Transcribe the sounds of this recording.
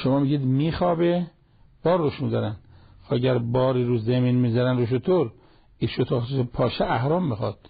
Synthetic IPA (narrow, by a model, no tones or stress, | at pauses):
ʃomɒːmiɡiːd̪miːxɒːbe | b̥ɒːɾːoʃmid̪ɒɾæn | xæɟæɾbɒːɾiːɾuːzemiːnmiːzæɾænɾoʃ̬ot̪ʰoɾ | iʃot̪ʰoːpʰɒːʃeʔæhɾɒːmːixɒːd̪̥